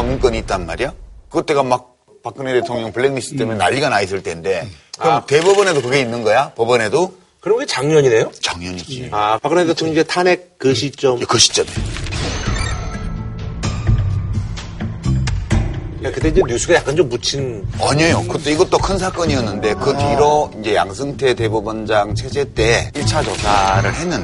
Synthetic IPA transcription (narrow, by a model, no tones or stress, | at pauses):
aŋɯnk͈ʌɲiːt͈̚anma̰ɾijakɯɡʌt͈e̞ɡamak̚ | pak͈ɯnetetʰoŋɲʌŋpɯɭːeɡmisʰɯ̥t͈emjʌnaʎːiɡanais̬͈ɯɭt͈e̞nde̞kɯɾʌte̞bʌbʌne̞dokɯɡe̞inːɯnɡʌjapʌbʌne̞do | kɯɾʌmɡet͡ɕaŋɲʌɲine̞jot͡ɕaŋɲʌɲid͡ʑiapak͈ɯnedot͡ɕʰʌŋid͡ʑetʰanek̚kɯɕʰit͡ɕ͈ʌmkɯɕʰi̥t͡ɕ͈ʌme | jakɯt͈e̞iɲd͡ʑe̞njusʰuɡajak͈ant͡ɕomːut͡ɕʰinaɲʌjokɯt͈oiɡʌt͈okʰɯnsʰak͈ʌɲiʌnːɯnde̞kɯpiɾoind͡ʑe̞ja̰ŋsʰɯŋtʰe̞te̞bubɯnd͡ʑaŋt͡ɕʰe̞d͡ʑe̞t͈e̞iɭt͡ɕʰat͡ɕʌsʰaɾɯɭhe̞nɯn